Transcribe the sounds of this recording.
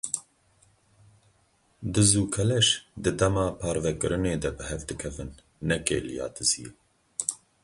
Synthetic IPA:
d̪ɨzuːkʰɛlɛʃd̪ɨd̪ɛmɑːpʰɑːɾvɛkɨɾɨneːd̪ɛbɨhɛvd̪ɨkʰɛvɨnː | ɛkḛːlijɑ̰ːt̪ɨzḭe

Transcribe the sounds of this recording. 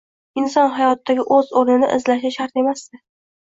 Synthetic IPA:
ɪnsɒnɦajɒt̪ːaɡʲɪʔɵzoɾnɪnɪ̰ʔɪzlaʃɪʃaɾt̪e̞masd̪ɪ

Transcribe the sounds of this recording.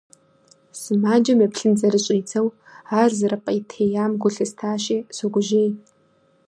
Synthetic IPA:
sɨmaːd͡ʒɐmɐpɬɨnd͡zʼɐɾɨɕʼiːt͡sʰɐw | aːrzɨɾɐpʼɐjtʰeːjaːmɡʷʊɬɨstʰaːɕiːsɐɡʷʊʒeːj

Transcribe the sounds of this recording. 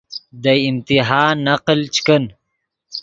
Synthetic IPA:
d̪əɪmt̪iɦaːnːaqlt͡ʃkən

